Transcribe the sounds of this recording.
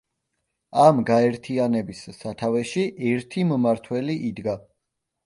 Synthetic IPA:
amɡaɛɾt̪ʰianɛbisːat̪ʰavɛʃiʔɛɾt̪ʰimmaɾt̪ʰwɛliʔid̪ɡa

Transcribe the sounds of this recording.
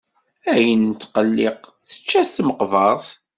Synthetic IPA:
æjənt̪ːqəlːɪqθə̥t͡ʃːæθt̪məqvɑðˤ

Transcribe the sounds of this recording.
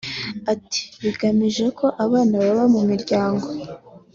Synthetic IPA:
ati̥βiɡamiʒekʰo̞ʔaβaːnaβaβamumiɾɟaːŋɡo̞

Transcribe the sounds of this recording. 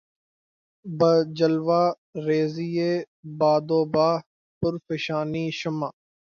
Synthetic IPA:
bəd͡ʒəlʋaː | ɾeːziːeː | baːd̪oːbaː | pʊɾfəʃaːniːʃəmaː

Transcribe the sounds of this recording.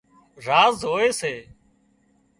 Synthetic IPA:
ɾaːzɦoːeːseː

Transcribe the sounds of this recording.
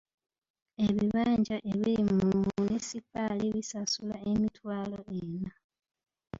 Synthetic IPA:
e̞βiβaːɲɟaʔeβilimumunesipaliβisasulaemitwaːlo̞ena

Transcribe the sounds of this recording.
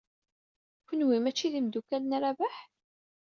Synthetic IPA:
kʷənwimæt͡ʃːiðimd̪ukælnɾavaħ

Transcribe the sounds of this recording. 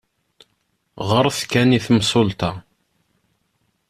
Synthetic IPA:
ʁəɾˤθkæniθəmsˤolt̪ɑ

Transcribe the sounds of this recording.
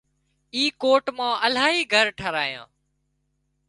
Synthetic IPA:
iːkoːʈmãːʔəl̤aːɦiːɡʱəɾʈʰəɾaːijã̰ː

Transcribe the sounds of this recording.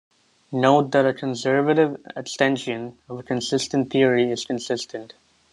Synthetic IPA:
noʊt̚d̪æɾəkʰə̃nsɜɹvəɾɪvəstɛ̃nʃɨ̃nʌvəkʰə̃nsɪstə̃nt̪θiəɹiɪz̥kə̃nsɪstʰə̃nʈ

